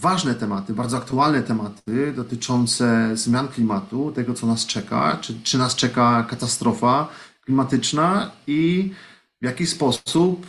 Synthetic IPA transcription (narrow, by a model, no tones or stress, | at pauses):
vaʐnɛt̪ɛmat̪ɘbaɾd̪zɔak̚t̪ualnɛt̪ɛmat̪ɘd̪ɔt̪ɘt͡ʂɔnt̪sɛzmʲjanklʲimat̪ut̪ɛɡɔt̪sɔnast͡ʂɛka̰t͡ʂt͡ʂɘnast͡ʂɛkakat̪ast̪ɾʔɔfaklʲimat̪ɘt͡ʂnai | vʲjakʲispɔsup